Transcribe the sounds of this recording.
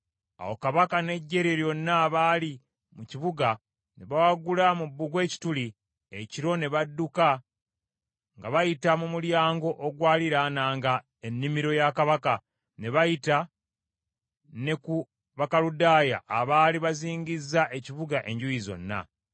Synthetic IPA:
a̰wo̞kaβakane̞ɟːe̞ɾeɾjo̞nːaːβaːli | muciβuɡa | ne̞βawaɡulamubːuɡwe̞ːci̥tuli | eciɾo̞ne̞βadːuka | ŋɡaβajitamumuljaːŋɡo̞ʔoɡwaːliɾanaːŋɡa | e̞nːimiɾo̞jakaβaka | ne̞βajita | ne̞ku | βakaludaːja̰ʔːβaːliβaziːɲɡizːaʔe̞ciβuɡaʔe̞̰ɲɟujizo̞̰nːa̰

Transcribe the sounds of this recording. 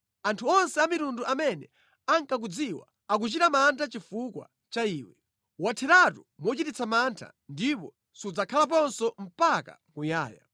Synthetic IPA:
antʰuɔnsɛamiɾunduʔamɛnɛ | aŋkak̬ud͡ziwa̰ | ak̬ut͡ʃitamantʰat͡ʃifukwa̰ | t͡ʃaiːwɛ | watʰɛɾatumwɔt͡ʃitit͡sʰamantʰa̰ | ndipɔ | sud͡zakʰalap̬ɔnsɔm̩paka̰kuja̰ːja̰

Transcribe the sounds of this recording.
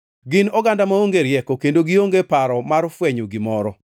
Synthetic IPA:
ɡɪnɔɡandamaoŋɡeɾjɛkokendoɡioŋɡepaɾɔmaɾfwɛɲoɡɪmɔɾɔ

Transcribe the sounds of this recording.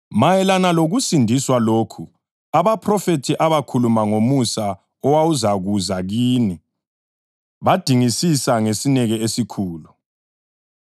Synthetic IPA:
majɛlanaloɣusindʱiswaloːkʰu | aβapʰrɔfetʰiʔaβakʰulumaŋomusa | ɔwawuzaɣuzaɣiːni | βad̥ʱiŋisisaŋesinɛɣɛesikʰuːlu

